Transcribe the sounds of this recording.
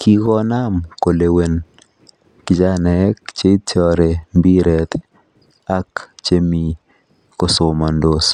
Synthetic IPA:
kʰi˦ɡɔ˦na˦mko˨le˨we˨n | kɪ˨d͡ʒa˦nɛ˨˦k̚t͡ʃe˦tʰjɔ˦ɾe˨mbi˦ɾɛ˨t̪ | a˦kt͡ʃe˦mi˨ | ko˦so˨ma˨ndo˦s

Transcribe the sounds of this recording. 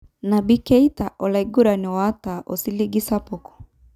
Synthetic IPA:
na˨bi˦kɛ˦i˦ta˨ʔɔ˨la˨iɡu˦ɾa˨ni˨wa˦ta˨ʔo˨si˦li˦ɡi˦sa˦po˨kɔ̥˨

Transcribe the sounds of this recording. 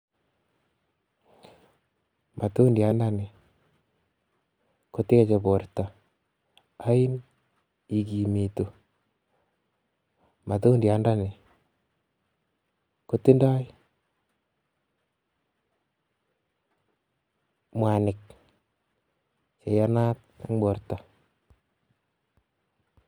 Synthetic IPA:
mʔa˨to˦ndja˦nda˦ne˨ | ko˦tɪ˦ka˦t͡ʃe˨bɔ˨ɾta˨ | a˦ɪ˦n | i˨ki˨mi˨to˨ | mʔa˨to˦dja˦nda˦ne˨ | ko˦ti˦nda˦j | mwa˨nɪ˨k̚ | t͡ʃe˨ja˦na˦t̚ | a˦ŋbɔ˨ɾta˨

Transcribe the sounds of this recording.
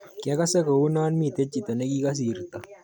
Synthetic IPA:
kja˦ka˦se˦ko˨wu˦naː˦nmi˦˨t̪e˦t͡ʃi˨t̪o˨ne˦ki˦ka˦s̬iː˨ɾt̪a˨

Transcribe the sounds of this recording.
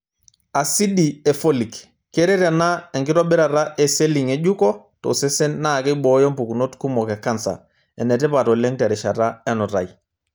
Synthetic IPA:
a˨si˦di˨ɛ˨fo˦li˨k | kːɛ˦ɾɛ˦ɾa˨na˦ɛ˨ŋɡɪ˦tɔ˦ɓɪ˦ɾa˨ta˦ʔɛ˨se˦li˨ŋɛ˨d͡ʒu˦kɔ˦ | tɔ̰˨sɛ˦sɛ˦nnaː˦˨kɛ˦ɓɔ˨jɔ˦mpu˨ku˨no˦tku˦mɔ˨kɛ˨ka˦nsa̰˨ | ɛ˨nɛ˨tɛ˦pa˨tɔ˨lɛ˦ŋtɛ˨ɾɛ˨ʃa˨ta˦ɛ˦nɔ˨ta̰˨j

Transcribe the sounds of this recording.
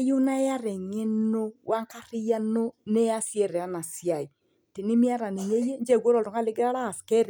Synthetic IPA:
ju˦na˦ja˦ɾɛ˨ŋe˦no˦wʔa˦ŋka˦ɾɪ˦ja˦no˦nɛ˦a˦sjɛ˦˨ɾɛ˨a˦na˨sja˨i˨ | ti˨ni˦mi˦a˦ɾa˨ne˨ɲe˦je˦nd͡ʒɛ˦˨ɡʷɔ˦ɾɔ˨tɔ˨ŋa˦lɪ˦ɡɾa˦ɾa˦˨skɛ˦ɾ

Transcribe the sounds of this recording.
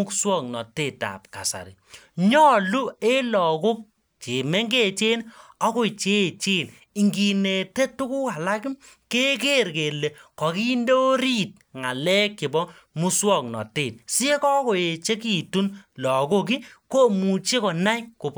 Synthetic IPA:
u˦kswɔ˦˨k̚nɔ˨te˦˨ta̰˨p̚ka̰˨sa̰˨ɾḭ˨ɲɔ˦lu˦e˦lɔ˨ku˦p̚ | t͡ʃe˨me˦ŋɡe˦t͡ʃe˦nɔ˦ko˦˨t͡ʃe˦˨t͡ʃe˦˨n | i˨ŋɡi˨ne˨te˦tu˦ku˦ka˨la˦ki˦ | ke˦k̬e˦ɾke˨le˨kɔ˨ki˦ndo˦o˦ɾi˦t̚ŋa˨lɛ˦kːi˨bɔ˦ | mu˦swɔ˦˨k̚nɔ̰˨teː˨t̚si˦e˦kɔ˦ko˨e˨t͡ʃe˦ki˨tu˦nlɔ˨ko˦k̬i˦ko˦mu˨t͡ʃe˦kɔ˨na˦jko˨p

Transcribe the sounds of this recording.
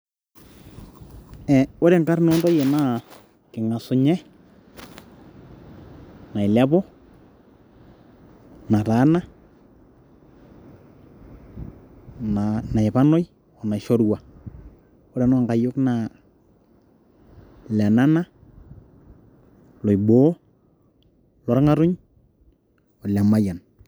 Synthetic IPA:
ɛ˨o˦ɾɛ˨ŋɡa˦rno˦ndɔ˦je˨na˦ | kɪ˨ŋa˨sʊ˨ɲɛ˦ | na˨ɪ˨lɛ˦bɔ˦ | na˨ta˨˦na˦ | nana˨e˨pa˦no˦j | ɔ˨na˨ʃo˦ɾwa˨ | o˦ɾa˨n˦a˨ŋɡa˨jʊ˦kna˨ | lɛ˨na˦na˦ | lɔ˨jbo˦ | lɔ˨ɾŋa˦ɾʊ˦ɲ | ɔ˨la˨ma˦ja˨n

